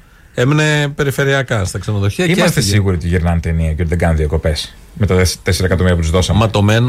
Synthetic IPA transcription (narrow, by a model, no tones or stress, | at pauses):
e̞mene̞pe̞ɾife̞ɾiɐkɐst̪ɐksenoðo̞çiɐiemɐst̪esiɣuɾiot̪iʝiɾnɐnt̪eniɐcot̪iðeɡɐnðiɐko̞pe̞s | me̞t̪ɐt̪t̪e̞seɾɐekɐt̪omiɾiɐp̬ut̪uzðo̞sɐmɐt̪o̞men